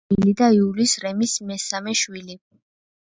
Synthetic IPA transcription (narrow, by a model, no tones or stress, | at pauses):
ilid̪aiulisɾɛmismɛsamɛʃwili